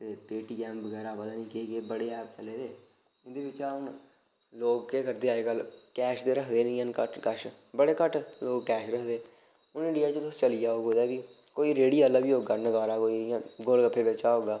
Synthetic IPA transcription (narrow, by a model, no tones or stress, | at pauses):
t̪eːpeːʈiːkɛːmbəɡɛːɾaːpəd̪aːnĩːkeːɡeːbəɽeːɛːpt͡ʃəleːd̪eː | ɪnd̪eːbɪt͡ʃaːʊn | loːɡkeːkəɾd̪eːaːeːkəlkɛːʃd̪eːɾəkʰd̪eːnĩːənkəʈkəʃ | bəɽeːkəʈloːɡkɛːʃɾəkʰd̪eː | ʊnɪ̃ɳɖijaːt͡ʃət̪ʊst͡ʃəlijaːɦoːɡoːd̪aːbiː | koːiːɾeːɽiːaːlaːbiːɦoːɡaːnəɡaːɾaːkoːĩːɡolkəpʰːeːbeːt͡ʃaːɦoːɡaː